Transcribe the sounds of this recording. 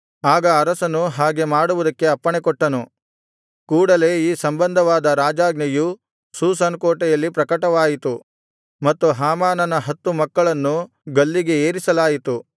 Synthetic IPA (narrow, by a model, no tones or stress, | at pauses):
aːɡɐːɾɐsɐnuɦaːɡe̞maːɽuʋud̪ɐkːe̞ɐpːɐɳekɔʈːɐnu | kuːɽɐle̞iːsɐmbɐnd̪ʱɐʋaːd̪ɐɾaːd͡ʒaːɡnɐju | suːsɐnkoːʈɛjɐlːipɾɐkɐʈɐʋaːjit̪u | mɐt̪ːuɦaːmaːnɐnɐɦɐt̪ːumɐkːɐɭɐnːu | ɡɐlːiɡe̞eːɾisɐlaːjit̪u